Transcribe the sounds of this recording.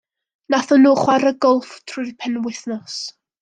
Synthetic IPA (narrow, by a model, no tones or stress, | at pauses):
naθɔnuːχwaɾəɡɔlˠftʰrʊjðpʰɛnwɪθnɔs